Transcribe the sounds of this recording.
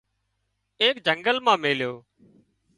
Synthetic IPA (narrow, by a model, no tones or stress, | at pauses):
eːkd͡ʒəŋɡəlmãːmeːljoː